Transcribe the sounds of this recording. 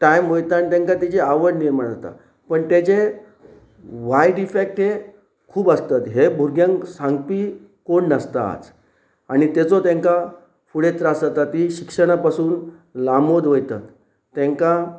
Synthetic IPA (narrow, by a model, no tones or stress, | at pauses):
ʈajmɦojt̪aanit̪ẽŋkat̪it͡ɕeaʋəɾniɾmaɳ̃t̪a̰ | pəɳt̪jat͡ɕe | ʋajɖifek̚ʈɦe | kʰuːbəst̪at̪ɦebʱuɾɡjãŋksãŋɡpi | koɳnəst̪a̰ːt͡s | aɽ̃it̪et͡sot̪ẽŋka | fuɽet͡s̪ɾasat̪at̪iɕikʂəɽ̃apasuːn | lamod̪ʋojt̪a̰t̪ː | ẽŋka